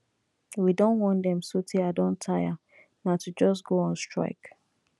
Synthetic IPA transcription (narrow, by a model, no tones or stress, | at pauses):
widõnwɔ̃ndɛ̃msotʰiaɪdɔ̃ntʰaja | natʰud͡ʒɔs̬ɡoãnstɹ̥a̰ɪk